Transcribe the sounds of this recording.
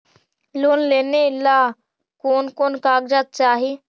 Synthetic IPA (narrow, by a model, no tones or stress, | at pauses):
loːnleːnelaː | koːnkoːnkaːɡd͡ʒaːt̪̚t͡ʃaːɦi